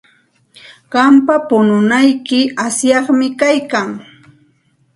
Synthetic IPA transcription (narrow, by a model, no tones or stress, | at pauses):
ɢɑmpapʊnʊnajkɪasjɑχmɪkajkaŋ